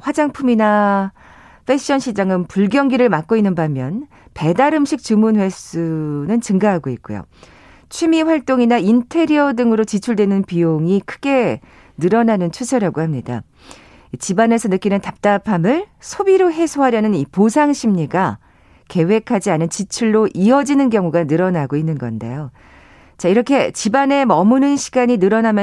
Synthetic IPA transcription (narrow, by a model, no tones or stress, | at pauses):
ɸwad͡ʑaŋpʰumina | ɸʰe̞ɕ͈ʌnɕʰid͡ʑaŋɯnpuɭɡjʌŋɡiɾɯɭmak͈oinːɯnbamjʌn | pe̞daɾɯmɕʰik̚t͡ɕɯmunwe̞s͈unɯnt͡ɕɯŋɡaɦaɡoik̚k͈ujo̰ | t͡ɕʰimiɸwaɭt͈oŋinaintʰe̞ɾiʌdɯŋɯɾot͡ɕit͡ɕʰuɭdwe̞nɯnpijoŋikʰɯ̥ɡe̞ | nɯɾʌnanɯnt͡ɕʰusʰʌɾaɡohamɲida̰ | it͡ɕibane̞sʰʌnɯk͈inɯntap̚t͈apʰamɯɭsʰobiɾoɦe̞sʰoɦaɾjʌnɯniposʰaŋɕʰimɲiɡa | ke̞we̞kʰad͡ʑianɯnt͡ɕit͡ɕʰuɭːoʔiʌd͡ʑinɯnkjʌŋuɡanɯɾʌnaɡoinːɯnɡʌ̰nde̞̰jo | t͡ɕaiɾʌkʰe̞t͡ɕibane̞mʌmunɯnɕʰi̥ɡaɲinɯɾʌnamjʌ